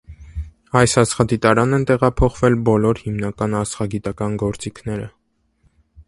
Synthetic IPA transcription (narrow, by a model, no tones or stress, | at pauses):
ɑjsɑsχɑd̪it̪ɑɾɑnɛnt̪ɛʁɑpʰɔχvɛlbɔlɔɾhimnɑkɑnɑsχɑɡit̪ɑkɑnɡɔɾt͡sikʰnɛɾə